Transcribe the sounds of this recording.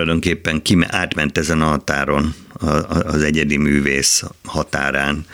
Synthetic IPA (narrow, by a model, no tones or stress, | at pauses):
lɒjd̪o̞ŋkeːpːɛŋkim̰ʔaːt̪mɛnt̪ɛzɛnɒɦɒt̪aːɾo̞n | ɒːzɛɟɛd̪imyːveːshɒt̪a̰ːɾaːn